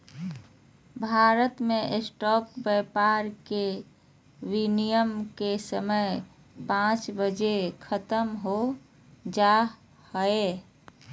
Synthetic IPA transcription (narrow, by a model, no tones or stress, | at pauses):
bʱaːɾət̪mẽʔesʈɔːp̚bɛpaɾke | winijəmkesəməj | pãt͡ʃbəd͡ʒekʰət̪əmɦo | d͡ʒa | həe